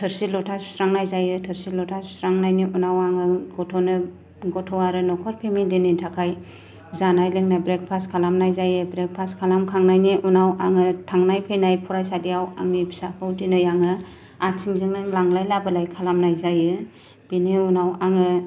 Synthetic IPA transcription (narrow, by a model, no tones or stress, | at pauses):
tʰɯɾsilɔtʰassɾaŋnajzajɯtʰɯɾsilɔtʰassɾaŋnajniunawaŋɯɡɔtʰɔnɯ | ɡɔtʰɔwaɾɯnɔkʰɔɾpʰemindinintʰakʰaj | zanajlɯŋnajbɾek̚pʰaskʰalamnajzajɯbɾek̚pʰaskʰalamkʰaŋnajniʔunawaŋɯtʰaŋnajpʰejnajpʰuɾajsadijawaŋibʰi̥sapʰɯwdinɯjaŋɯ | at͡ʃʰiŋzɯŋnɯŋlaŋlajlabɯlajkʰalamnajzajɯ | b̥iniunawaŋɯ